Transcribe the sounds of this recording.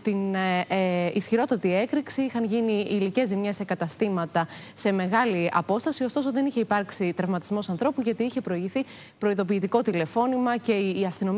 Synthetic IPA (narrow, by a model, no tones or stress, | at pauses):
t̪in | isçiɾo̞t̪ɐt̪ie̞kɾiksiixɐnʝiniːlice̞zimɲesekɐt̪ɐst̪imɐt̪ɐse̞me̞ɣɐliɐ̰po̞st̪ɐsio̞st̪oso̞ðe̞niçe̞ipɐɾksit̪ɾɐvmɐt̪izmo̞sɐnθɾo̞puʝɐt̪iiçe̞pɾo̞iʝiθi | pɾo̞iðo̞p̬iːt̪iko̞t̪ile̞fo̞nimɐce̞ːɐst̪ino̞m